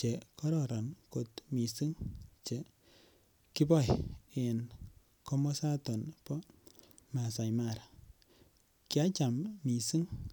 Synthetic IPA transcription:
t͡ʃe˨kɔ˦ɾɔ˨ɾa˨nko˨tmi˨si˦ŋt͡ʃe˨ | ki˦bɔ˦˨je˨n | kɔ˦mɔ˦sa˦tɔ˨npɔ˦ | ma˨sa˨jma˨ɾa˨ | kja˦t͡ʃa˨mmi˨si˦ŋ

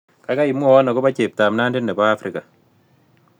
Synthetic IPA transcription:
ka˨˦ka˦i˨mwɔ˦˨wɔ˦nɔ˨kɔ˦ba˦t͡ʃe˨p̚ta˨mna˦ndɪ˦nːɛ˨baː˦fɾi˨ka˨

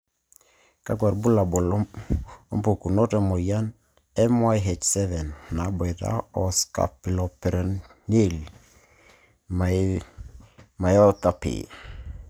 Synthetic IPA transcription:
ka˦ɡwa˨ɾbu˦la˨bɔ˨lɔ˦ɔ˦mpo˨ku˨nɔ˦tɛ˨mɔ˨ja˦n | ɛ˦mwa˦jɦɛ˨t͡ʃsɛ˦vɛ˨nːa˨˦bɔ˨jta̰˦ɔ˨ska̰˨pi˨lɔ˨pɛ˨ɾɛ˨nne˦l | ma˨ | ma˨jɔ˦t̪a˦pɪ̰˨

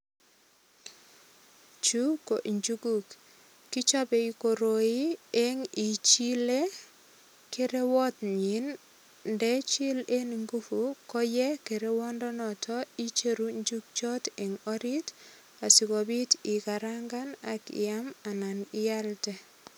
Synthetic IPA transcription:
t͡ʃu˦ko˨ʔɲd͡ʒu˦ɡu˦kː | i˦t͡ʃa˦bɛ˨i˨ko˨ɾo˨i˦e˦ŋi˨t͡ʃi˦le˦ | ke˦ɾe˦wɔ˦tɲi˨˦n | ndɛ˦t͡ʃi˦le˦niŋɡu˦fu˦kɔ˦jɛ˦ke˨ɾe˦wɔ˦ndɔ˦nɔ˨tʰɔ˦i˦t͡ʃe˦ɾu˦ɲd͡ʒu˦k̚t͡ʃɔ˦te˨ŋɔ˦ɾi˦t | a˨sɪ˨kɔ˨bi˦tɪ˨ka˨ɾa˦ŋɡa˦na˨kɪ̰˨ja˦ma˨na˨nɪ˦ja˦ltɛ˦

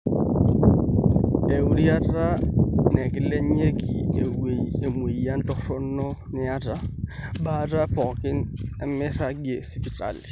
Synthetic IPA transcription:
e˨u˨ɾi˦a˦tʼa˦nɛ˨kʼɪ˦le˦ɲe˦kʼi˨ | e˨mwe˨i˨ja˦ntʼɔ˦rɔ˦n̩˦nɔ˦nɪ˦a˦tʼa˦ba˦tʼa˦fʰɔ˨kʼɪ˦nɛ˦mɪ˦ra˦ɡie˨sɪ˦pi˨tʼa̰ː˨lɪ˨

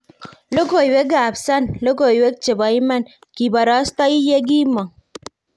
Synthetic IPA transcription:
lo˦ko˨jwe˦ɡaː˨bsa˦nlo˦ko˨jwe˦k̚t͡ʃe˨ba˨i˦ma˦n | ki˨bɐ˨ɾa˦st̪a˦i˦je˦ɡi˦ma˨

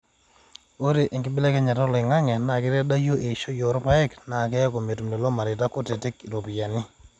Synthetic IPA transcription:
o˦ɾe˨ʔi˨ŋɡɪ˦bɪ˦lɛ˦kɛ˦ɲa˨tɔ˦lɪ˨ŋa˦ŋɛ˨na˨kɪ˦ɾɛ˦da˦jo˦ʔe˨ʃo˦jo˨˦ɾpa˦ɛ˦kna˨kɛ˦ko˨me˨tu˨m˨ne˨lɔ˦ma˨ɾɪ˨ta˦ko˦te˨te˦ki˨ɾo˨pi˨ja˨nɪ˦

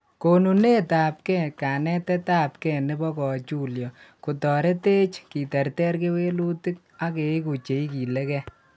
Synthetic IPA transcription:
ko˨nu˨ne˦taː˨p̚kɛ˦˨kaː˨nɛ˦tɛ˦ta˦p̚kɛ˦˨ne˦bɔ˦kɔ˨t͡ʃu˦ljɔ˨ku˨tɔ˨ɾe˦te˦t͡ʃki˨tɛ˨rtɛ˦ɾke˦we˦lu˦ti˦k̚a˦ke˨˦ku˨t͡ʃe˨i˦ki˨le˦kɛ˦

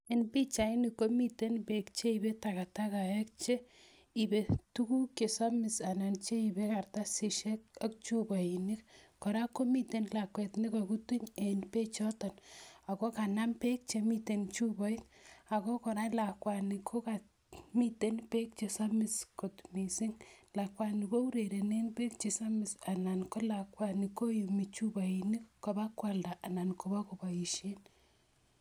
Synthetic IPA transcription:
enpi˦t͡ʃa˨i˦nikːo˦mi˦te˦npe˦kt͡ʃe˦ibe˦taka˨ta˦ka˨ɛ˦k̚t͡ʃe˦ | i˨be˨tu˦ku˦ke˨sa˦mɪ˨sa˨na˨nt͡ʃe˦ibe˦karta˦si˨ʃɛ˦k̚a˦k̚t͡ʃu˦bɔ˨inɪkkɔ˨ɾa˦ko˦mite˨nla˨kwɛ˨tni˦kakutu˦ɲenpe˦t͡ʃɔtɔ˨na˨ko˦ka˨na˦mpe˦k̚t͡ʃemi˦te˨nt͡ʃubɔ˦i˦ta˨ko˦kɔ˨ɾa˦la˨kwa˨nɪ˨kʰo˦ka˨ | mi˦te˦npe˦k̚t͡ʃe˨sa˦mɪ˨sko˨tmi˨sɪ˦ŋla˨kwa˨ni˨ko˦u˦ɾe˨ɾe˨ne˦npe˦k̚t͡ʃe˨sa˦mɪ˨sa˨na˨nko˦la˨kwa˨ni˨ko˦ju˨mi˨t͡ʃu˦ba˨ini˦kko˨ba˦kwa˨lda˨ʔa˨na˨nko˨ba˦ko˨ba˨ji˨ʃe˦n

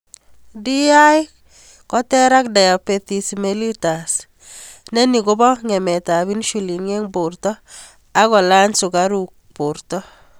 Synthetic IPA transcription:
di˦aj | kɔ˦tɛ˦ɾa˦kda˨ja˨pe˨ti˨smeli˦tas | nɛ˦ni˨ko˦bɔ˦ŋɛ˨mɛ˨ta˨βi˦nʃu˨li˨ŋe˦ŋbo˨rtɔ˦ | a˦kɔ˨la˦nsu˨kaɾuk̚portɔ˦

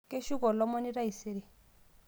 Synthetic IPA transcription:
ke˦ʃu˦kɔ˨lɔ˦mɔ˦ni˦ɾa˦i˨se˦ɾe˨

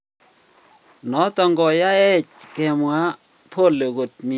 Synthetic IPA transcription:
nɔ˨˦tɔ˨ŋɡɔ˨ja˦ɛ˦t͡ʃkɛ˨mwa˦ | pʰo˦˨lo˨ɣo˨t̚mi˦˨

